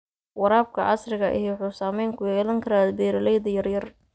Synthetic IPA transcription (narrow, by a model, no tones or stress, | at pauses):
wɑɾaːb̚kʰɐʕɑ̰srɪɣɐʔɪ̰jwħuːsaːmɛjŋkʰʊjɛːlɐŋkʰɐɾaːd̪bɛːɾɐlɛjðɐjɐrjɐr